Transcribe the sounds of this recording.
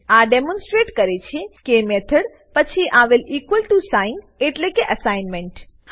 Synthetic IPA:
aɖemɔ̃nsʈɾeʈkəɾet͡ʃʰekemɛt̪ʰəɽ | pət͡ʃʰiʔaʋɪlikʋəlʈusajɪ̃ŋɡ | eʈlekeʔəsajnmẽɳʈ

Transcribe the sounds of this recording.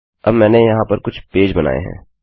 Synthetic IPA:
ɐbmɛ̃ːnejɐɦãpɐɾkʊt͡ʃʰpeːd͡ʒbɐna̰ːḛɦɛ̰̃ː

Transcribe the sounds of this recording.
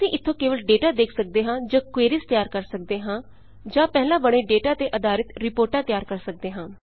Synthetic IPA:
sĩːʔɪt̪ʰːõːkeːʋəlɖeːʈaːd̪eːkʰsək̚d̪eːɦãːd͡ʒãːkweːɾɪst̪jaːɾkəɾsək̚d̪eːɦãː | d͡ʒãːpɛɦlãːbəɽ̃eːɖeːʈaːt̪eːʔəd̪aːɾɪt̪ɾɪpoːɾʈãːt̪ɪjaːɾkəɾsək̚d̪eːɦãː

